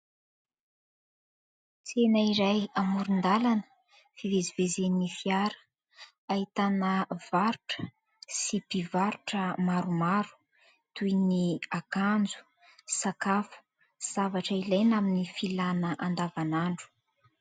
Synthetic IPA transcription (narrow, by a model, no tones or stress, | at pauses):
t͡senaiɾajamuɾund̪alanə̥ | fivezivezeninifiaɾə̥ | ait̪anəvaɾuʈ͡ʂə̥ | sipivaɾuʈ͡ʂəmaɾumaɾu̥ | t̪ujniakand͡zu̥ | sakafu̥ | z̥avaʈ͡ʂəilajnaminifilanəʔand̪avanaɳɖ͡ʐu̥